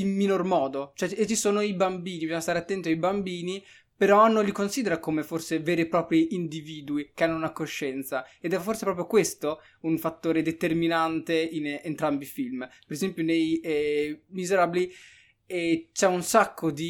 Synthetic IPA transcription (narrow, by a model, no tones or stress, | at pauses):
imːinormɔːd̪ot͡ʃoɛet͡ʃːisoːnoibambiːnibizɔɲːast̪aɾeat̪ːɛnt̪iajbambiːni | peɾɔnːõnlikonsiːd̪eɾakomeforseveːɾepɾɔːpɾiʔind̪iviːd̪uikeanːonakoʃːɛnt̪saed̪ɛfːorsepɾɔːpɾjokwest̪o | uɱfat̪ːoːɾed̪et̪erminant̪einent̪ɾambifilmpeɾezɛmpjonejɛmizeɾabili | ɛt͡ʃɛunsakːod̪i